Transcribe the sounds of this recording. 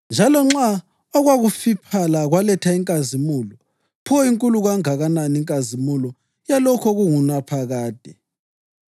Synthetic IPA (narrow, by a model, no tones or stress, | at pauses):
nd͡ʒʱalɔŋ͡ǁa | ɔɣwaɣufipʰalaɣwalɛtʰaiŋkʼazimuːlɔ | pʰuɔiŋkʼuluɣaŋaɣananiŋkʼazimulɔ | jalɔkʰɔɣuŋunapʰaɣaːd̥ʱɛ